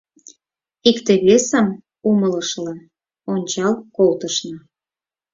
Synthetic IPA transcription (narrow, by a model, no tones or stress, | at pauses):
ikt̪ĕβesəm | umələʃlĕ | onʲt͡ɕɑlkolt̪ə̆ʃnɤ̆